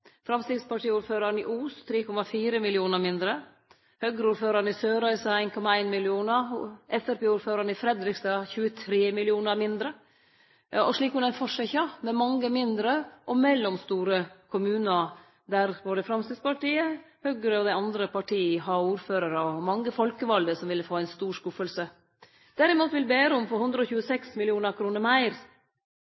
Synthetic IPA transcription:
fɾɑmst̪iːd̪spɑʈiːuːɾføːɾɑɾənɪʔuːst̪ʰɾeːkʰɔmɑfiːɾəmɪlɪuːnəɾmɪnd̪ɾə | høɡɾəuːɾføːɾɑɾɳɪsøːɾœʏsəæɪnkʰɔmɑæɪnmɪlɪuːnəʔɛsæɾpeːuːɾføːɾɑɳɪfɾɛd̪ɾɪkst̪ɑçʉːət̪ʰɾeːmɪlɪuːnəɾmɪnd̪ɾə | ɔʂɭiːkʉnæɪfɔʂɛçɑmɛmɑŋːəmɪnd̪ɾəʔɔmɛlːɔmst̪uːɾəkʰʊmʉːnə | d̪æɾboːd̪əfɾɑmst̪ɪd̪spɑʈiːə | hœɡɾəɔd̪æɪɑnd̪ɾəpʰɑʈʰiːəɦɑuːɾføːɾəɾəɔmɑŋːəfɔlkəʋɑld̪əsɔmʋɪləfoːæɪnst̪uːʂkʉfəlsə | d̪̥æɾɪmuːt̪ʋɪlbeːɾəɔmfɔhʉnd̪ɾəɔçʉːəsɛksmɪlɪuːnəɾkʰɾuːnəɾmæɪɾ

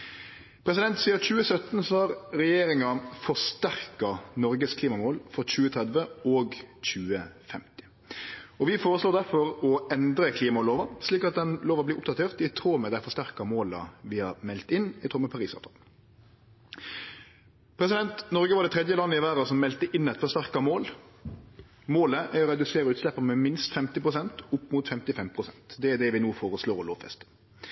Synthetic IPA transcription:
pʰɾɛsɪd̪ɛnt̪siːɑc͡çʉːəsœt̪nsɑːɾɾɛjeːɾɪŋɑfɔst̪æɾkɑnɔɾɡəskʰliːmɑmoːlfɔc͡çʉːət̪ʰʁɛd̪ʋəɔɡc͡çʉːəfɛmt̪ɪ̥ | ɔʋɪfoːɾəsloːd̪æɾfɔɾɔɛnd̪ɾəkʰliːmɑɔloːʋɑsliːkɑt̪̚d̪ɛnloːʋɑblɪːʊp̚d̪ɑt̪ʰeːʁt̪ɪt̪ʰɾoːmɛd̪æɪfɔst̪æʁkɑmoːlɑ̰ʋɪhɑɾmɛlt̪ɪnːɪt̪ʰʁoːmɛpʰɑɾiːsɑ̰ʋt̪ʰɑ̰l | pʰɾɛsɪd̪ɛnt̪nɔɾɡəʋɑɖ̪ɛt̪ʰɾɛd̪jəlɑnːəɪʋæːɾɑsɔmːɛlt̪əʔɪnːɛt̪fɔst̪æʁkɑmoːl | moːləʔæɾɔɾɛd̪ʉseːɾəʉːt̪slɛpːəmɛmɪnst̪fɛmt̪ɪpʁʊsɛnt̪ʊpːmʊt̪fɛmt̪ɪfɛmpʰʁʊsɛnt̪d̪ɛæd̪ɛʋɪnuːfoːɾəsloːɔloːʋfɛ̰st̪ə

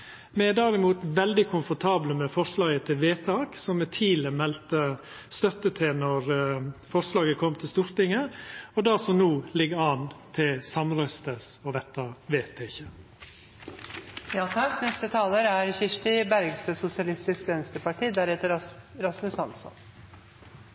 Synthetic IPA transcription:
mɛɛd̪æɾɪmuːt̪ʋɛld̪ɪkʰʊnfɔt̪ʰɑːbləmɛfɔɾʂlɑːɡət̪ʰɪlʋeːt̪ʰɑːksɔmːɛt̪ʰiːləmɛlt̪ə | st̪œt̪ːət̪ʰɪlnɔɾfɔɾʂlɑːɡəkʰɔmːt̪ʰɪlst̪uːɾt̪ɪŋəɔd̪ɑsɔnuːlɪɡɑːnt̪ʰɪlsɑmɾœst̪əsɔʋɛt̪ːɑʋeːp̪ʰeːɪçə | jɑːtɑnɛst̪ət̪ʰɑːləɾæɾçɪʂʈ̪ɪbæɾɡst̪øːsʊsɪɑlɪst̪ɪskʋɛnst̪əpʰɑʈʰiːd̪æɾhɛt̪əɾɑsmʉshɑnsɔ̰n

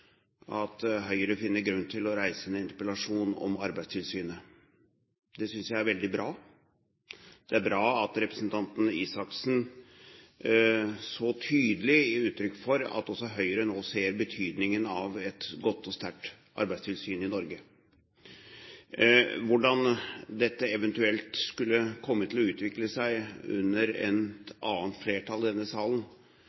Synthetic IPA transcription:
ɑt̪ɦœʏəɾəfɪnːəɾɡɾʉnːt̪ʰɪlɔɾæɪsəɛnɪnt̪əpəlɑʂuːnɔ̰mɑɾbæɪst̪ʰɪlsyːnə | d̪ɛsʏnsjæɪæɾʋɛld̪ɪbɾɑː | d̪̥ɛæɾbɾɑːɑt̪ɾɛpɾəsnt̪ʰɑnt̪n̩iːsɑksn̩ | sɔt̪ʰyːd̪əlɪʉːt̪ɾʏkːfɔɾɑ̰t̪ɔsːɔɦœʏəɾənoːseːɾbət̪ʰyːd̪nɪŋənɑʋɛt̪ɡɔt̪ːɔst̪æʈ | ʔɑ̰ɾbæɪst̪ʰɪlsyːnɪnɔɾɡə | ʋʊɖɑnd̪ɛt̪ːəɛʋɛnt̪ʉɛlt̪skʉlːəkʰɔmːət̪ʰɪlɔʉːt̪ʋɪkləsæɪʉ̰nːəɾɛ̰nʔɑːnt̪fleːʈʰɑlɪd̪ɛnːəsɑːlən

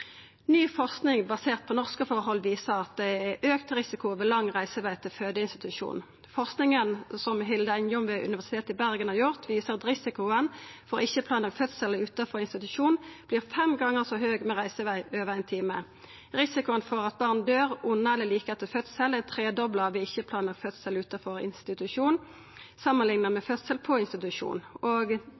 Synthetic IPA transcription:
nyːfɔʁsknɪŋbɑseːʁt̪̚pʰɔnɔʁskəfɔʁɦɔlːʋiːsəʁɑt̪̚d̪ɛæʔøːkt̪ʁɪsɪkʊoːʋəlɑŋʁæɪsəʋæɪt̪ʰɪlføːd̪əɪnst̪ɪt̪ʉʃṵːn | fɔʁsknɪŋənsɔmɦɪld̪əæɪnjʊmʋɛʔʉ̰nʋæsɪ̥t̪ʰeːt̪ɪbæʁɡənhɑːʁjʊʁt̪ʋiːsəʁɑt̪ʁɪsɪkʊənfɔʁɪçəpʰlɑːnlɑɡfœt̪sɛləʉːt̪ɑfɔɪnst̪ɪt̪ʉʃuːnb̥liːʁfɛmɡɑŋːəʁsɔɦøːɡmɛːʁæɪsəʋæɪʔøːʋəʁæɪnt̪ʰiːmə | ʁɪsɪkʊənfɔʁɑt̪̚bɑʁnd̪øːʁʊnːɑɛləliːkəɛt̪ɪlfœt̪sələt̪ʰʁeːd̪ɔbləʋɪɪçːəpʰlɑːnlɑɡfœt̪səlʉːt̪ɑfɔʁɪ̰nst̪ɪt̪ʉʃuːn | sɑmːənlɪŋnəʁmɛfœt̪səlpʰɔɪnst̪ɪt̪ʉʂṵːnoːɡ

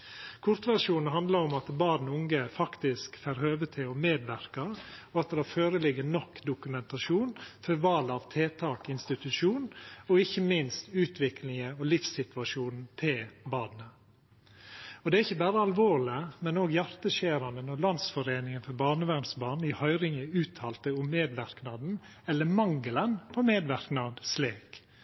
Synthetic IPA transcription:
kʰʊɾt̪ʋæɾʂuːnn̩ɦɑnd̪lɑɾɔmɑt̪bɑːd̪n̩ʊŋɡəfɑkt̪ɪskfæɾhøːʋət̪ʰɪlɔmeːd̪ʋæɾkɑɔɑt̪d̪ɛføːɾəlɪɡənɔkːd̪ʊkʉmɛnt̪ɑʃuːnfœɾʋɑːlɑʋt̪ʰeːt̪ʰɑːkɪnst̪ɪt̪ʉʂuːnɔɪçːəmɪnst̪ʉːt̪ʰʋɪklɪŋəɔlɪfsɪt̪ʋɑʂuːnn̩t̪ʰɪlbɑːd̪nə | ɔd̪ɛæɾɪçːəbæːɾəɑlʋoːɾlɪəmɛnoːɡjæɾt̪əʃeːɾɑnd̪ənɔlɑnsfɔɾeːnɪŋənfɔɾbɑːɳəʋæɾnsbɑːɳ̩ɪhœʏɾɪŋəʉːt̪ʰɑːlt̪əʊmːeːd̪ʋæɾknɑd̪n̩ | ɛlːəmɑŋːələnpʰɔmeːd̪ʋæɾknɑd̪sleːk

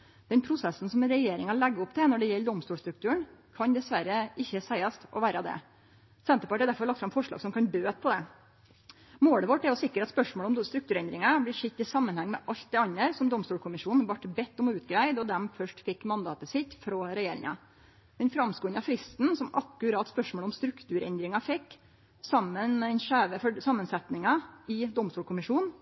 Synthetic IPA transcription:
d̪̥ɛnpʰɾʊsɛsn̩sɔmɾɛjeːɾɪŋɑlɛæɡːəɔpt̪ʰɛnɔɖɛjɛlːd̪ɔmst̪uːʂst̪ɾʉkt̪ʉːəɳkʰɑnd̪ɛsʋæɾəɪçːəsæɪɑst̪ʔɔ̰ʋæːɾəd̪ɛ̰ | sɛnt̪əpɑʈ̪æɾd̪æɾfɔɾɭɑkt̪fɾɑmfɔʂɭɑ̰ːɡsɔmkʰɑnbøːpʰɔd̪ɛ | moːɽəʋɔʈːɛɾjɔsɪkːəɾɑt̪spœʂmoːlɔmst̪ɾʉk̚t̪ʉːɾɛnd̪ɾɪŋɑblɪʂɪt̪ːɪsɑmːənhɛŋːmɛʔɑlt̪̚d̪ɛɑnːəɾsɔmd̪ɔmst̪uːlkʰʊmɪʂuːn̩ʋɑʈbɛt̪ːɔmɔʉːt̪ɡɾæɪd̪ɔd̪ɛmfœʂʈfɪkːmɑnd̪ɑːt̪əsɪt̪ːfɾɔːɾɛjeːɾɪ̰ŋɑ̰ | mɛnfɾɑmskʊnɑfɾɪst̪n̩sɔmʔɑkːʉɾɑːt̪spœʂmoːlɔmst̪ɾʉkt̪ʰʉːɾɛ̰nd̪ɾɪŋɑfɛkː | sɑmːənmɛd̪ɛnʂæːʋəfɔsɑmːənsɛt̪nɪŋɑɪd̪ɔmst̪uːlkʰʊmɪʂuːn

